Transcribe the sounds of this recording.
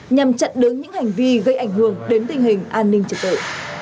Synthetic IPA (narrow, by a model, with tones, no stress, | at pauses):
ɲa˨˩mt͡ɕə̰˧˨nɗɨ˨˦ŋɲɨ̰˧˥ŋha˨˩jŋ̟vi˧ɣə˧jʔa˧˩jŋ̟hɨ˧˩əŋɗe˨˦nt̪ï˨˩ŋ̟hï˨˩ŋ̟ʔaː˧nːï˧ŋ̟t͡ɕə˨˩k̚t̪ə̰ː˧˨